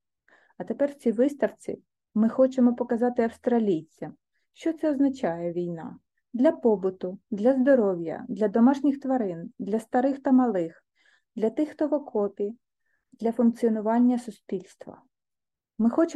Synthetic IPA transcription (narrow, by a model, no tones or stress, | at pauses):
ɐt̪epɛrwt͡sʲijʋɪst̪ɐwt͡sʲḭ | mɪxɔt͡ʃemɔpɔkɐzɑt̪ɪɐwst̪ɾɐlʲijt͡sʲːɐm | ʃt͡ʃɔt̪sɛɔznɐt͡ʃɑjɛʋʲijnɑ̰ | d̪lʲɐpɔbʊt̪ʊd̪lʲɐzd̪ɔɾɔwʲjɐ̰d̪lʲɐd̪ɔmɑʃnʲixt̪ʋɐɾɪnd̪lʲɐst̪ɐɾɪxt̪ɐmɐlˠɪx | d̪lʲɐt̪ɪxt̪ɔʋɔkʰɔpʲi | d̪̥lʲɐfʊnk̚t͡sʲiɔnʊʋɑnʲːɐsʊspʲilʲst̪ʋɐ̰ | mɪxɔt͡ʃ